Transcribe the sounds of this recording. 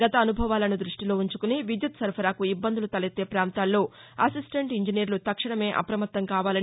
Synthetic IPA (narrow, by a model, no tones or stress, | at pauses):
ɡɐt̪ɐːnubʱɐʋaːlɐnud̪ɾuʂʈilo̞ːuɲt͡ʃukuniʋid̪jut̪sɐɾpʰɐɾaːkuibːɐnd̪ulut̪ɐlɐt̪ːe̞ːpɾaːnt̪aːlːo̞ːɐsisʈeɳʈiɲd͡ʒinijɐɾlut̪ɐkʂɐɳɐme̞ːʔɐ̰pɾɐmɐt̪ːɐŋkaːʋaːlɐ